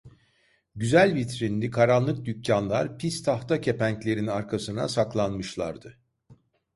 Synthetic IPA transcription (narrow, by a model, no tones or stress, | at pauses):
ɟyzælʲvit̪ɾinlʲikʰaɾanlˠɯk̚d̪ycʰːanlˠaɾpʰist̪ʰaht̪ʰacʰe̞pæɲclʲe̞ɾinaɾkʰasɯna̰saklˠanmɯʃlˠa̰ɾd̪ɯ